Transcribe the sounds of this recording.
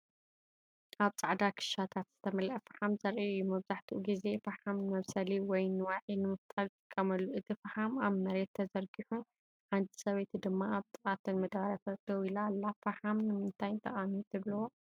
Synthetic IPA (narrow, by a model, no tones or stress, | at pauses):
ʔaβt͡sʼaʕd̪akʰɨ̥ʃat̪ʰat̪z̥ɨt̪ʰɐmɐlʔɐfaħamzɐɾʔiɨjːumɐβzaħt̪ʰuʔɡize̞faħamnɨmɐβsɐliwɔjnɨwaʕinɨmɨft̪ʼalt̪ʼɨkʼːɐmɐlːuɨt̪ʰifaħamaβnɐɾet̪ʰːɐzɐɾɡiħu | ħand̪isɐβɐt̪ʰud̪ɨmːaaβt̪ʼɨχʼat̪ʰɨnmɐd̪aɾɐfɐt̪ʰɐwilalːafaħamnɨmɨnt̪ʰajnt̪ʰɐʔʼanit̪ʰɨβlwo